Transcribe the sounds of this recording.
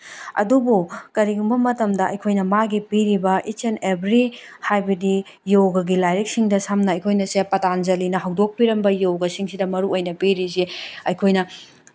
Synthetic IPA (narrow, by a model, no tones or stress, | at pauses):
ɐ̰dubukɐɾiɡumbɐmɐtɐmdɐɐ̰jkʰojnɐmaɡipiɾibɐʔit͡ʃenebʱɾihajbɐdi | jowɡɐɡilajɾek̚siŋdɐsamnɐɐjkʰojnɐsepɐtanzɐlinɐɦɐwdok̚piɾɐmbɐjowɡɐsiŋsidɐmɐɾuʔojnɐpiɾisiɐjkʰojnɐ